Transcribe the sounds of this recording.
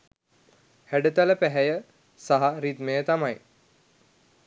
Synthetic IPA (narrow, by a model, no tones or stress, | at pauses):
hæɖət̪æləpæɦæjə | saɦaɾid̪mejət̪amaj